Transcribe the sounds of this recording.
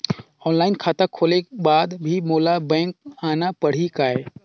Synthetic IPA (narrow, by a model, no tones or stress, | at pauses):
ɔːnlaːɪnkʰaːt̪akʰoːlekbaːd̪bʱimoːlabɛ̃ːŋk̚aːnapəɽ̤ikaːeː